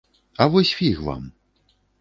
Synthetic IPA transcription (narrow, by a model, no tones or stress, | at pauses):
ɐvɔsʲfʲixva̰m